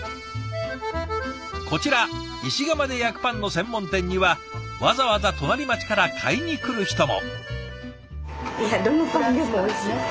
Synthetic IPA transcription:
ko̞t͡ɕiɾa | iɕiɡamad̪e̞jakɯ̟̥pãnːo̞sẽ̞mːõ̞nt̪ẽ̞ɲ̟ʲːiβa | βazaβazat̪o̞naɾʲimat͡ɕi̥kaɾakʰaiɲ̟ikɯ̟ɾɯ̟çi̥t̪o̞mo̞̰ | jad̪onotad̪emo

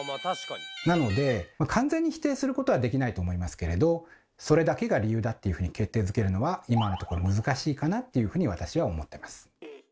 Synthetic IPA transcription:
nano̞d̪e̞makʰãnd͡zẽ̞ɲ̟ːiçi̥t̪e̞ːsɨɾɯ̟ko̞t̪o̞β̞ad̪e̞kʲinait̪o̞ːmo̞imasɨ̥ke̞ɾe̞d̪o̞ | so̞ɾe̞d̪ake̞ɡaɾʲijɯ̟ːd̪at̪ːe̞jɯ̟ɸɯ̟ɲ̟ike̞t̪ːe̞ːzɨke̞ɾɯ̟no̞βaimanot̪o̞ko̞ɾo̞mɯ̟zɨkaɕiːkanat̪ːe̞jɯ̟ɸɯ̟ːɲ̟iβ̞at̪aɕiβao̞mo̞t̪ːe̞masɨ̥

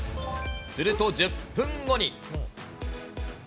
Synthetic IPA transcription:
sɨɾɯ̟t̪o̞d͡ʑɨpːɯ̃ŋɡo̞ɲ̟i

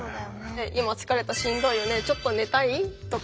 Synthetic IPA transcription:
eʔimat͡sɨ̥kaɾe̞t̪aɕĩnd̪o̞ijone̞t͡ɕo̞t̪ːo̞ne̞t̪ait̪o̞k

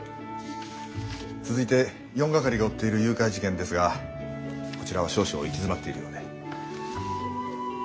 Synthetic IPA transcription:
t͡sɨzɨit̪e̞ | jõ̞ŋɡakaɾʲiɡao̞t̪ːe̞iɾɯ̟jɯ̟ːkaiʑikẽnd̪e̞sɨɡa | ko̞t͡ɕiɾaβ̞aɕo̞ːɕio̰ikʲizɨmat̪ːe̞iɾɯ̟̰no̞d̪e̞

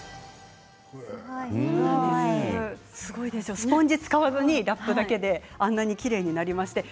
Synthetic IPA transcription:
sɨɡo̞id̪e̞sjosɨ̥põ̞ɲ̟d͡ʑit͡sɨ̥kaβazɨɲ̟iɾapːɯ̟d̪ake̞d̪e̞ãnːaɲ̟ikʲiɾe̞ːɲ̟inaɾʲimaɕi̥t̪e̞

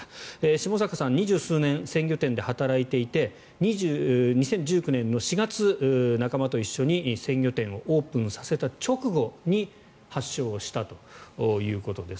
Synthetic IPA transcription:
eːɕimo̞s̬akasãɲ̟ːiʑɨːsɨːnẽɰ̃sẽ̞ŋɡʲo̞t̪ẽ̞nd̪e̞hat̪aɾait̪e̞it̪e̞ | ɲ̟iʑːɲ̟isẽ̞ɲ̟d͡ʑɨːkɯ̟nẽ̞nːo̞ɕiɡat͡sɨnakamat̪o̞iɕːo̞ɲ̟isẽ̞ŋɡʲo̞t̪ẽ̞ɰ̃o̞ʔo̞ːpɯ̟̃ɰ̃sḁse̞t̪at͡ɕo̞kɯ̟ɡo̞ɲ̟i | haɕːo̞ːɕi̥t̪at̪o̞̥ːjɯ̟ːko̞t̪o̞d̪e̞s

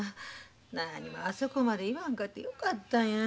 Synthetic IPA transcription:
nanimaːsokomaɾeiβaŋkat̪ːḛjokat̪ːaɲã

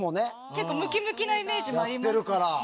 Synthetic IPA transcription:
mone̞ | k̪ekːomɯ̟kʲimɯ̟kʲinaime̞ːʑimooaaɾʲimt̪ːeɾɯ̟kaɾa

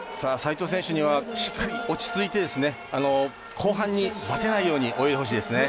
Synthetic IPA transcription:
saːsait̪o̞sẽ̞ɕɯɲ̟iβ̞aɕi̥kːaɾʲio̞t͡ɕi̥t͡sɨit̪e̞d̪e̞sɨne̞ | ano̞ | kʰo̞ːɦãɲ̟ːibat̪e̞naijo̞ːɲ̟iʔo̞jit̪eɦoɕ̬iːd̪esɨne̞

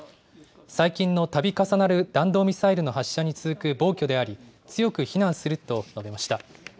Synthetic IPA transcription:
saikʲĩnːo̞t̪abʲikasanaɾɯ̟d̪̥ãnd̪o̞ːmʲisaiɾɯ̟no̞ɦaɕːaɲ̟it͡sɨzɨkɯ̟bo̞ːkʲo̞d̪e̞aɾʲi | t͡sɨjo̞kɯ̟çinãɰ̃sɨɾɯ̟t̪o̞nobe̞maɕi̥t̪a

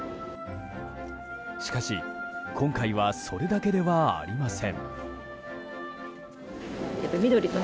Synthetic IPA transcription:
ɕi̥kaɕikʰõ̞ŋkaiβaso̞ɾe̞d̪ake̞d̪e̞βaa̰ɾʲimasẽ̞ŋ | japːaimʲid̪oɾʲino

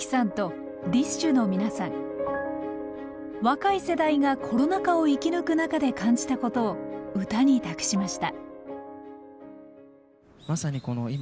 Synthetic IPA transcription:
i̥sãnt̪o̞ | d̪ʲiɕt͡ɕɨno̞mʲinasãŋ | βakaise̞d̪aiɡakʰo̞ɾo̞nakao̞ikʲinɯ̟kɯ̟nakad̪e̞kãɲ̟d͡ʑi̥t̪ako̞t̪o̞ːɯ̟t̪aɲ̟it̪akɯ̟̥ɕimaɕi̥t̪a | masaɲ̟iko̞noi

